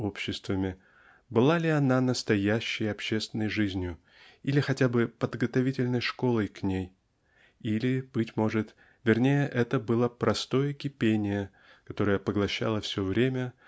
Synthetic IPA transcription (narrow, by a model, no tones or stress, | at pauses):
opɕːɪst̪vəmʲɪ | bɨlˠalʲɪɐnanəst̪ɐjæɕːɪjɐpɕːest̪vʲɪnːəjʐɨzʲnʲjʊ | ilʲɪxɐtʲabɨpəd̪ɡət̪ɐvʲitʲɪlʲnəjʂko̞lˠəjknʲej | ilʲɪb̥ɨtʲmo̞ʐɨt̪ | vʲɪrnʲejəʔɛt̪əbɨlˠapɾɐst̪o̞jəkʲɪpʲenʲɪjə | kɐt̪o̞ɾəjəpəɡlˠɐɕːa̰lˠəfsʲovɾʲemʲə